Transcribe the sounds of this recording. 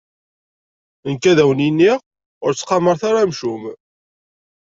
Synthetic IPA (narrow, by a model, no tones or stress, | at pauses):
ənkːæðæwəninːiʁ | ʊɾt͡sːqɑməɾθaɾamʃum